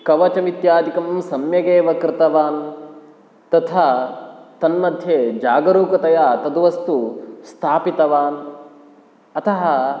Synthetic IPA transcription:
kɐʋɐt͡ʃɐʋit̪jaːd̪ikɐmsɐmjɐɡeːʋɐkɾɪt̪ɐʋaːn | t̪ɐt̪ʰaːt̪ɐnmɐd̪ʱjeːd͡ʒaːɡɐɾuːkɐt̪ɐjaːt̪ɐd̪uʋɐst̪ust̪ʰaːpit̪ɐʋaːn | ɐt̪ʰɐɦɐ

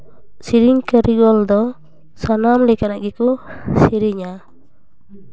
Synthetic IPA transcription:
siɾiɲkəɾiɡɔld̪ɔ | sanamlikanaʔɡɛkusiɾiɲa

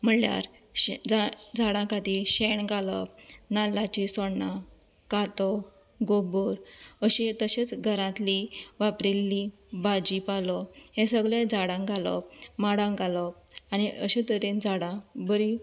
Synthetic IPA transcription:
m̤əlja̰ɾ | d͡zad͡zaɽãkat̪iɕeɳɡalɔ̰pnalːat͡ɕisɔɽɳa | kat̪ɔ | ɡoboɾəɕit̪əɕet͡sɡʱəɾãt̪liʋapɾilːibad͡ʑipalɔhẽsəɡɭed͡zaɽãŋɡalɔ̰maɽãŋɡalɔaniʔəɕit̪əɾẽnd͡zaɽãbəɾi

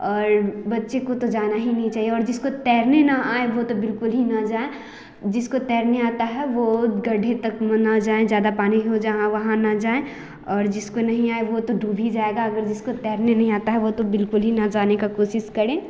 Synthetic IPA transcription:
ɔːɾbɐtːʃekot̪od͡ʒaːnaɦinɐɦĩt͡ʃaːɦieɔːɾd͡ʒɪskot̪ɛːɾnenɐaːeʋot̪obɪlkʊlɦinɐd͡ʒaːẽ | d͡ʒɪskot̪ɛːɾneaːt̪aɦɛʋoɡɐɖʱet̪ɐkmɐ̃nad͡ʒaːẽd͡ʒjaːd̪apaːniɦod͡ʒɐɦãʋɐɦãnɐd͡ʒaːẽ | ɔːɾd͡ʒɪskonɐɦĩaːeʋot̪oɖʱuːbʱid͡ʒaːeːɡaɐɡəɾd͡ʒɪskot̪ɛːɾnenɐɦĩaːt̪aɦɛʋot̪obɪlkʊlɦinɐd͡ʒaːnekakoːsɪʃkɐɾẽː

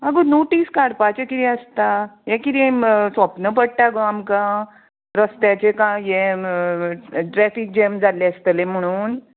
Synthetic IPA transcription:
aɡonoʈiskaɽpat͡ɕekit̪iəst̪ajẽkid̪isʋəpnəpəɽʈaɡoamkã | ɾəst̪jat͡ɕekãje | ʈɾɛfik̚d͡ʑemd͡zaljeəst̪əlẽm̤əɽ̃uːn

